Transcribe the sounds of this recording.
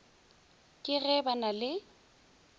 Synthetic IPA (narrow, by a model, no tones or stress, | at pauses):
kʼɪɣɛbanalɪ